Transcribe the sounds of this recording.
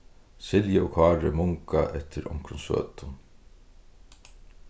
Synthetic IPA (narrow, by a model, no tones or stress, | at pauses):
sɪljɪɔkʰɑːɾɪmʊŋka̰ʔɛt̪ʰɪɾɔ̰ŋ̥kɾʊnsø̰ːt̪ʊ